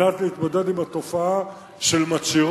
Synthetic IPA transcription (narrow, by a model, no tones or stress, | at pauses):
at̪leit̪mod̪e̞d̪imat̪o̞faa | ʃelmat͡siʁ